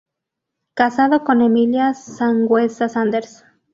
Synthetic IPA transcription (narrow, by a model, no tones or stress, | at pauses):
kasaðokonemiljasaŋɡwesasand̪eɾs